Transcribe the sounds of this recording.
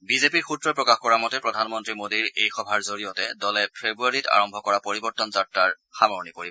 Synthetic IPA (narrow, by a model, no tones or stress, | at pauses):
bizepiɹxutɹɔpɹɔkaxkɔɹamɔtɛpɹɔdʱanmɔntɹimodiɹejxɔbʱaɹzoɹijɔtɛdɔlɛpʰebɹuaɹita̰ɹɔmbʱɔkɔɹapoɹibɔɹtɔnzatːaɹ | xamɔɹnipoɹi